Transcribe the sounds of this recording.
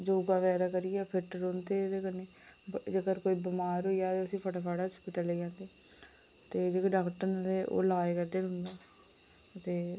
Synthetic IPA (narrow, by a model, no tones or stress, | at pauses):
d͡ʒoːɡaːʋɛːɾaːkəɾiːɛːpʰɪʈɾoːnt̪eːd̪eːkəneː | d͡ʒəkəɾkoːiːbəmaːɾoːijaːt̪eːʊsĩːpʰəʈaːpʰaːɽaːspiʈəleːd͡ʒãːnd̪eː | t̪eːd͡ʒeːkːɖaːkʈəɾd̪eːʔo̰ːlaːekəɾd̪eːɾʊ̃nd̪eː | ət̪eː